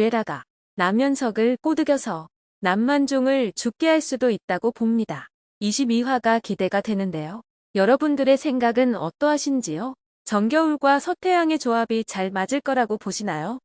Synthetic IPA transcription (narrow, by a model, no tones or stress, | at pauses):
eɾaɡa̰ | namjʌnsʰʌɡɯɭk͈odɯɡjʌsʰʌ | namːand͡ʑoŋɯɭt͡ɕuk̚k͈eɦaɭs͈udoit̚t͈aɡopomɲida | iɕʰibiwaɡakide̞ɡadwe̞nɯnde̞jo | jʌɾʌbundɯɾe̞sʰe̞ŋɡaɡɯnʌ̰t͈ʌɦaɕʰind͡ʑijo | t͡ɕʌŋɡjʌuɭɡwasʰʌtʰe̞jaŋe̞t͡ɕoabit͡ɕaɭmad͡ʑɯɭk͈ʌɾaɡopoɕʰinajo